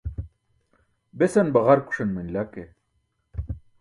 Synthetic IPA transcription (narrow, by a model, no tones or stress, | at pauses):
besɐnbɐʁɐɾku̥ʂɐnmɐnlake